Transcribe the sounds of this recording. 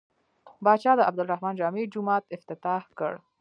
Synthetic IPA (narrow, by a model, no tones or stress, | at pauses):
bɑt͡ʃɑd̪əabd̪ʊlɾahmɑnd͡ʒɑmed͡ʒʊmɑt̪ɪft̪ɪt̪ɑhkə̰ɽ